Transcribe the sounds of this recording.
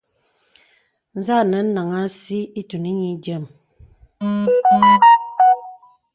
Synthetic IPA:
n̩˦za˦˨nə˨˦n̩˦na˨ŋa˦si˦i˦tu˨ni˦ɲi˨˦d͡ʒə˦˨m

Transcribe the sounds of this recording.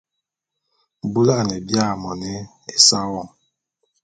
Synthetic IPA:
bu˦la˦˨ne˨bja˦˨mɔ˨ne˦ | e˨sa˦wɔ˨m

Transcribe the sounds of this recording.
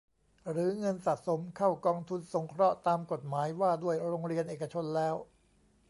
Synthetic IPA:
ɾɯː˩˦ŋɤ˧nsa˨˩ʔso˩˦mkʰa˥˩wkɔː˧ŋt̪ʰu˧nso˩˦ŋkʰɾɔ˦˥t̪aː˧mko˨˩t̪̚maː˩˦jwaː˥˩du˥˩əjɾoː˧ŋɾi˧ənʔeː˨˩ka˧t͡ɕʰo˧nlɛː˦˥w

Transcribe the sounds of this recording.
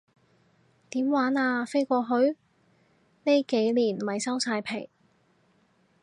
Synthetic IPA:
t̪iː˨˥mwaː˨˥naː˧fe˥jkʷɔː˧ɦɵ˨˥ɥ | ne˥jke˨˥jliː˨˩nwɐ˨˩jsɐ˥wsaː˧jpʰe˨˩j

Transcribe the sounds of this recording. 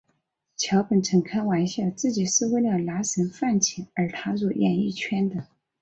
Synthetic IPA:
t͡ɕʰjɑ˧˥ʊpə˨˩nʈ͡ʂʰə˨˩ŋkʰa˥nwa˧˥nɕjɑ˥˩t͡sɹ̩˥˩t͡ɕi˨˩ʂɻ̩˥˩˧we˥˧ljɑ˥˩la˧˥ʂə˧˥nfa˥˩nt͡ɕʰi˨˥˦ə˞˧˥t̪ʰa˥s̬wɔ˨˩jɛ̰˨˩ni˥˩t͡ɕʰɥɛ˥nd̪ə˨

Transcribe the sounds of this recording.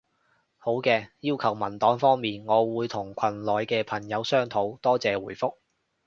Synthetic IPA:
ho˨˥wkɛː˧jiː˥wkʰɐ˨˩wmɐ˨˩nt̪ɔː˨˥ŋfɔː˥ŋmiː˨nŋɔː˨˧wuː˨˧jt̪ʰʊ˨˩ŋkʷʰɐ˨˩nlɔː˨jkɛː˧pʰɐ˨˩ŋjɐ˨˧wsœː˥ŋt̪ʰo˨˥wt̪ɔː˥t͡sɛː˨˧wuː˨˩jfʊ˥k̚

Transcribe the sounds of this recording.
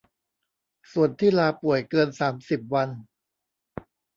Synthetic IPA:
su˨˩ənt̪ʰiː˥˩laː˧pu˨˩əjkɤː˧nsaː˩˦msi˨˩p̚wa˧n

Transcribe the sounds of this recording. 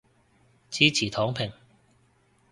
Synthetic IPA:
t͡siː˨˥t͡sʰiː˨˩t̪ʰɔː˨˥ŋpʰɪ˨˩ŋ

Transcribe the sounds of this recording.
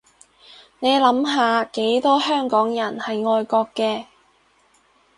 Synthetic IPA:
ne˨˧jlɐ˨˥mɦaː˨˧ke˨˥jt̪ɔː˥hœː˥˩ŋkɔː˨˥ŋjɐ˨˩nhɐ˨jŋɔː˧jkɔː˧kːɛː˧

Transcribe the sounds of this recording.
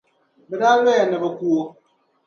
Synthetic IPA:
bɛ˨da˦lwɛ˦˨nɛ˨bə˨ku˨o˨

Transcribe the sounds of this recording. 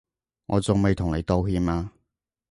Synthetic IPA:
ŋɔ̰ː˨˧t͡sʊ˨ŋme˨jt̪ʰʊ˨˩ŋle˨˧jt̪o˧whiː˧maː˧

